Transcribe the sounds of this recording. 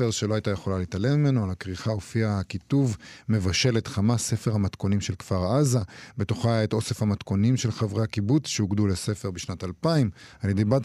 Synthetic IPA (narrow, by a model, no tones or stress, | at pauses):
eʁʃeloajt̪ajeχo̞lalit̪alemimenoalakʁiχaofiakituvme̞vaʃe̞letχamase̞fe̞ʁhamatko̞nimʃe̞lkfaʁazabe̞toχajaet̪o̞se̞fhamat̪ko̞nimʃe̞lχavʁeakibut͡sʃeoɡdulese̞fe̞ʁbiʃnatalpaimaljedejbat̪